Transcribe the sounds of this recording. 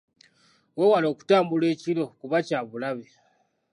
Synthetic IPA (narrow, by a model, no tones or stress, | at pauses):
wewalo̞ːku̥taːmbule̞ːcilo̞kuβacaːβulaβe